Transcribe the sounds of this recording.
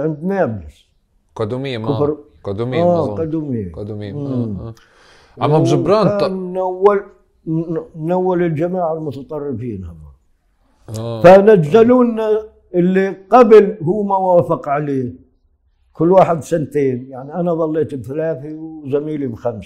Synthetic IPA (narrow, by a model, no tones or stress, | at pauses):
ʕɪnd̪mablas | qɑd̪umɪjːkʊfɾ | qd̪umaːqɑd̪uːmɪjːaː | amabzʊbɾˤɑːnawːal | nːawːalɪld͡ʒamaːʕɪlmʊt̪ɑt̪ˤɑrˤːɪfiːnhamːa | fanad͡ʒzaluːnːa | ʔɪlːiqablɦuːmawaːfɪqʕaleː | kʊlːwaːħɪd̪sant̪eːnjaʕniʔanaðˤɑlːeːt̪bθalaːθiwzamiːlibxams